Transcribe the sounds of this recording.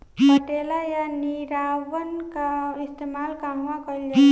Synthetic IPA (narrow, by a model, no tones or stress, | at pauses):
pəʈelajaniɾaːʋənkaɪst̪eːmaːlkamʋãkəld͡ʒa